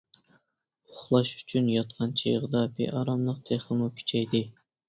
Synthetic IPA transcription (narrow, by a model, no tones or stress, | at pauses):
ʊʊχlˠɑʃy̥t͡ʃʰynjɑt̪̚qʰɑnt͡ʃʰḛjʁɨd̪ɑbḛʔɑɾɑmlˠəq̚t̪ʰeχlɨmukʲʰy̥t͡ʃʰɛjd̪ɪ